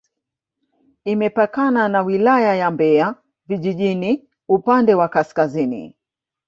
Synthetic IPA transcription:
imɛpakananawilajajambɛa | viʄiʄini | upandɛwakaskazinḭ

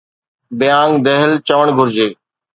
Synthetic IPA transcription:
bɪjãːŋd̪ɛɦəlt͡ɕəʋəɳ̃ɡʱʊɾd͡ʑeː

